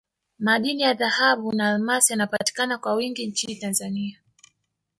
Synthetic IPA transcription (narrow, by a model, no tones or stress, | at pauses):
maɗinijaðahaɓunaːlmasijanapati̥kanakwawiŋɡiɲt͡ʃinitanzania